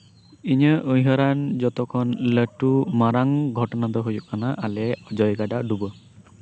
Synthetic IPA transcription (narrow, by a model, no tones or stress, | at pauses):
iɲəʔɯjɦɔɾand͡ʒɔt̪ɔkʰɔnləʈːumaɾaŋɡʱɔʈɔnad̪ɔɦojukanaʔalɛɔd͡ʒɔjɡaɖaɖubɔ